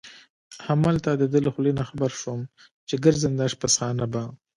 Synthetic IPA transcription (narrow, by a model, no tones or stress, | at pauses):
hamalt̪ad̪əd̪ələxlenaxabaɾʃom | t͡ʃeɡəɾzənd̪ɑʃpasxɑnaba